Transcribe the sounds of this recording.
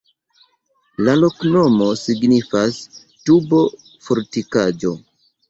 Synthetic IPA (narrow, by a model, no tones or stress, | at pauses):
lalo̞kno̞mo̞siɡnifas | tubo̞ | foɾtikad͡ʒo̞